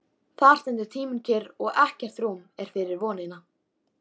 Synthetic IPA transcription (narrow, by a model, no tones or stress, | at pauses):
θar̥st̪ɛnt̪ɪɾ̥t̪ʰiːmʏncʰɪɾɔɣɛhcɛr̥t̪ɾumɛɾ̥fɪɾɪɾvɔːnɪna